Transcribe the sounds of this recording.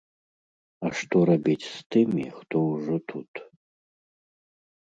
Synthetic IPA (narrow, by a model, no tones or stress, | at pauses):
aʂt̪ɔɾabʲit͡sʲst̪ɨmʲḭxt̪ɔwʐɔt̪ʰut̪